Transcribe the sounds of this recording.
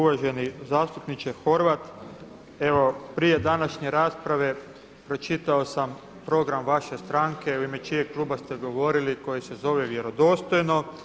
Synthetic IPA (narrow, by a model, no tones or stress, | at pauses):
uʋaʒe̞nizaːst̪upnit͡ʃexo̞ɾʋat̪ | e̞ʋo̞pɾije̞d̪anaʃɲe̞ɾaːspɾaʋe̞ | pɾo̞t͡ʃit̪aosam | pɾo̞ɡɾamʋaʃe̞st̪ɾaŋke̞uime̞t͡ʃijeklˠuːbast̪eɡo̞ʋo̞ɾiliko̞jese̞zo̞ʋeʋje̞ɾo̞d̪o̞ːst̪o̞jno̞